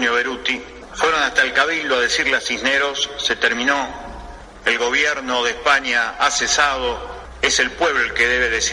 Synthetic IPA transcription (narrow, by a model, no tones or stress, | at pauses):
njoβeɾut̪i | fweɾonast̪aelkaβild̪oað̞esiɾleasizneɾo̞sːet̪eɾmĩno̞ | elɣo̞β̞jeɾnoðehpaɲjaasesað̞o | eselpwe̞βloelkeðeβ̞eðesi